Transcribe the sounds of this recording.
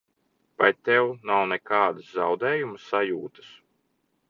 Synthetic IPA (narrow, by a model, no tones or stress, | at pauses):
pajt̪ɛwnawnɛkaːd̪ɨszawd̪ɛːjuməsːajuːt̪ɨ̥s